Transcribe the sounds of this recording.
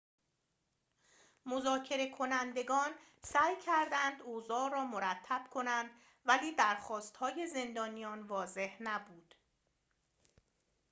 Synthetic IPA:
mo̞zɒːcʰe̞ɾe̞kʰo̞nænd̪e̞ɡɒːn | sæːjcʰæɾd̪ænd̪ozɒːɾɒːmoɾæt̪ʰːæb̥kʰo̞nænd̪ | væliːd̪æɾxɒːst̪hɒːje̞ze̞nd̪ɒːnijɒːnvɒːze̞hnæbuːd̪̥

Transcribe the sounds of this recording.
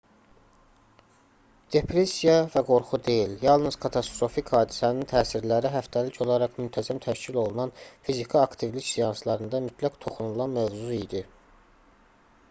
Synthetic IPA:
d̪̥e̞pʰɾe̞sijɑvæɡo̞ɾχud̪e̞jiljɑlˠnɯz̥kʰɑt̪ʰɑst̪ɾo̞fikhɑːd̪isænint̪ʰæːsiɾlæɾiɦæft̪ʰælicʰo̞lˠɑɾɑχmynt̪ʰæzæmt̪ʰæʃcʰilo̞lˠunɑnfizikʰiɑkt̪ʰivliʃsijɑnslˠɑɾɯnd̪ɑmyt̪ʰlækt̪ʰo̞χunulˠɑnmøvzuid̪i

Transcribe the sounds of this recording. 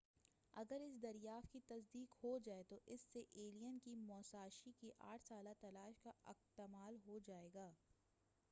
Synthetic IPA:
ɐɡəɾɪs̬d̪ɐɾijaːft̪̚kit̪ɐs̬d̪iːkhod͡ʒaːet̪oʔɪsːeʔeːlijənkimɔːsaːʃikiʔa̰ːʈʰsaːlat̪ɐlaːʃkaɪxt̪ɪmaːlɦod͡ʒaːeːɡaː

